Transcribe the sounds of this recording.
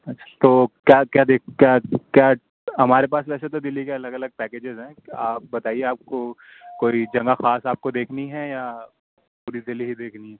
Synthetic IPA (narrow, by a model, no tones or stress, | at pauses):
ɐtːʃʰḁt̪oːkjaːkjaːd̪eːk̚ʰkjaːkjaː | ɦɐmaːɾepaːsʋɛːset̪od̪ɪlːikeɐləɡɐləɡ̚pɛːkeːd͡ʒɪzɦɛ̃ːaːp̚bɐt̪aːieaːp̚ko | koːid͡ʒɐ̃ŋɡaxaːsaːp̚kod̪eːkʰniɦɛja | puːɾid̪ɪlːiɦid̪eːkʰniɦɛː